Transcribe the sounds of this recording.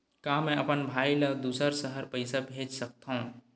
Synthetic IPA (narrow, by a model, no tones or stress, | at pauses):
kãːmɛ̃ɐpənbʱaːiləd̪uːsəɾsəɦəɾpɐɪsabʱeːd͡ʒsɐk̚t̪aɦũ